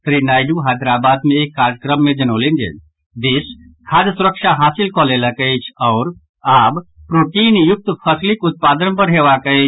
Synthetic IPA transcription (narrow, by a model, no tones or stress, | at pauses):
sɾinaːɪɖuɦad̪ɾaːbaːd̪mẽeːkːaːɾjəkɾəmːẽd͡ʒɐnolẽnd͡ʒḛ | d̪eːs | kʰaːd̪sʊɾəkʃaɦaːsɪlkɔlelakəet͡ʃʰɔːɾ | aːbpɾoːʈiːnjʊk̚t̪pʰəslɪkʊt̪̚paːd̪ənpəɾɦeʋakəe